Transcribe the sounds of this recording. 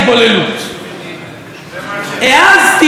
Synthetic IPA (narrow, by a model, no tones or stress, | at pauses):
bolelu | ɛazt̪i